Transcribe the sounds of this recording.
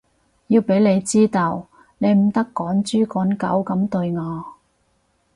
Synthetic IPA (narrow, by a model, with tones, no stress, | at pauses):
jiː˧wpe˨˥jle˨˧jt͡siː˥t̪o˨w | ne˨˧jm̩˨˩t̪ɐ˥kːɔː˨˥nt͡ʃyː˥kɔː˨˥nkɐ̰˨˥wkɐ˨˥mt̪ɵ˧ɥŋɔː˨˧